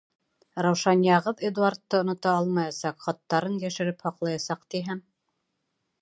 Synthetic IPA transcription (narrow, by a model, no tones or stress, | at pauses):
ɾɑwʃɑnjɑʁɤðed̪uart̪ːɤŏnŏt̪ɑɑlˠmɑjɑsɑqχɑt̪ːɑɾɤnjæʃɘ̆ɾɘphɑqlˠɑjɑsɑqt̪iɦæm